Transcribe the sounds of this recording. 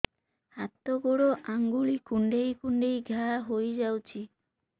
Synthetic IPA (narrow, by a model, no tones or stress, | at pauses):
hat̪oɡuɽoʔaŋɡuɭikuɳɖejkuɳɖejɡʱaɦojd͡ʒawt͡ʃʰi